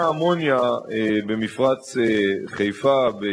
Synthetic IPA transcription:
amonjabemifʁat͡seχejfabe

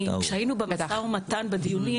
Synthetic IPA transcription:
kʃeajinubemet̪aaumat̪anbed̪ijuni

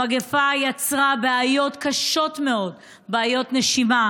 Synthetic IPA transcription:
aɡefajat͡sʁabeajo̞tkaʃo̞tme̞o̞d | beajo̞tneʃima

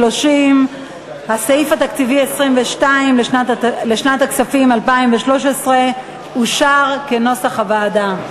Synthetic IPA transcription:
lo̞ʃim | hasaifat̪akt͡sivie̞sʁimveʃtaimleʃnaleʃnat̪aksafimalpaimveʃlo̞ʃesʁe | uʃaʁke̞no̞saχhabaːda

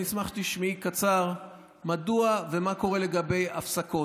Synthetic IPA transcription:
ismaχt̪iʃmikat͡saʁ | maduavemako̞ʁe̞le̞ɡabe̞ja̰fsako̞

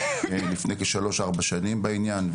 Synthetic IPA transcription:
lifnejkeʃalo̞ʃaʁbaʃanimbainjanv

